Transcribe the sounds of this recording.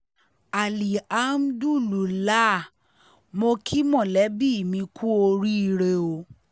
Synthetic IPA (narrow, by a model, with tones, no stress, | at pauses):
a˨li˨a˨˦m˦du˦˨lu˨la˦˨ | mo˧kʰi˦mɔ̃˦˨lɛ˨˦bi˦˨mĩ˧kʰu˦o˧ɾi˦˧ɾe˧˨o˧